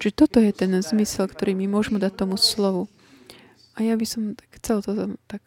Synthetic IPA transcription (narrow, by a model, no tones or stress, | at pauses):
ʒ̥ɛt̪ɔt̪ɔjɛt̪ɛnzmisɛlkt̪ɔɾiːmimʊɔʒmɛd̪at̚t̪ɔmuslɔʋu | ʔajabisɔmt̪axt͡sɛlt̪ɔt̪ak